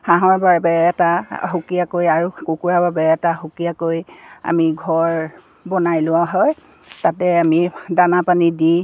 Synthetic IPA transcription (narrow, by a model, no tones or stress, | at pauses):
hãɦɔɹbabɛɛtaɦukijakojaɹukukuɹababɛɛtaɦukijakoja̰miɡʱɔɹ | bɔnajlʊwaɦɔj | tatɛamidanapanidi